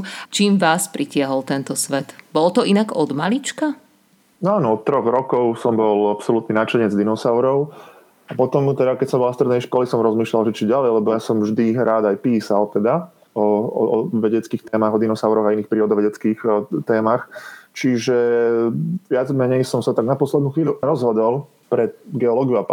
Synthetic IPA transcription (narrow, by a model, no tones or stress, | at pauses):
t͡ʃiːmʋaːspɾicɪaɦɔlt̪ɛnt̪ɔsʋɛt̪bɔlt̪ɔinaɡɔd̪malit͡ʃka | nɔaːnɔɔt̪t̪ːɾɔɣɾɔkɔʊsɔmbɔlapsɔlut̪ninaːt͡ʃɛɲɛd͡zd̪inɔsaʊɾɔʊ | apɔt̪ɔmt̪ɛd̪akɛcsɔmbɔlafst̪ɾɛd̪nɛjʃkɔlisɔmɾɔzmiːʃlalʒɛt͡ʃiɟalɛjlɛbɔjasɔmvʒd̪iɾaːd̪ajpiːsalt̪ɛd̪a | ɔɔ̰ɔ̰ʋɛɟɛt͡skiːxt̪ɛːmaɣɔd̪inɔsaʊɾɔɣainiːxpɾiːɔd̪ɔʋɛɟɛt͡skiːxt̪ɛːmaxt͡ʃiʒɛ | ʋɪad͡zmɛɲɛjsɔmsat̪aɡ̚napɔslɛd̪nuːxʋiːʎuɾɔzɦɔd̪ɔlˠ | pɾɛɡɛɔlɔːɡiua